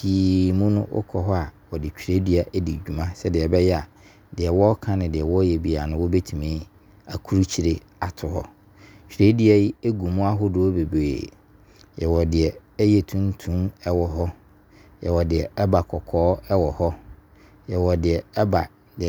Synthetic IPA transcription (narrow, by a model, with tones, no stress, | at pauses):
iː˨mũ˦nʊ̃˦ʔʊ̰˦kʰɔ˨ɦɔ˦a˨wɔ˨dɪ˨t͡ɕᶣi˨ɾe˦di˦a˨ʔɛ˦di˨d͡ʑᶣu˨mã˦sɛ˦dɪ˨ɛ˨bɛ˦jɛ˦a˨ | dɪ˨ɛ˨wɔ˦kʰã˦nɪ̃˨dɪ˨ɛ˨wɔ˦jɛ˨bi˨a˨nʊ̃˦wɔ˦be˦tʰu˨mẽː˦ | a˨kʰu˦ɾu˦t͡ɕʰi˨ɾe˦ | a˨tʰʊ˨hɔ̰˦ | t͡ɕᶣɾe˦di˦a˦ji˦e˦ɡu˨mũ˦a˦ɦʊ˦dʊ˨˦o˦be˨bḛ˨ | jɛ˨wɔ˨dɪ˨ɛ˨ɛ˦jɛ˦˨tʰũ˦n˦tʰũ˦mɛ˦wɔ˨ɦɔ˦ | jɛ˨wɔ˨dɪ˨ɛ˨ɛ˦ba˨kʰɔ˨kʰɔː˦ɛ˦wɔ˨hɔ˦ | jɛ˨wɔ˨dɪ˨ɛ˨ɛ˦ba˨ | dɪ˨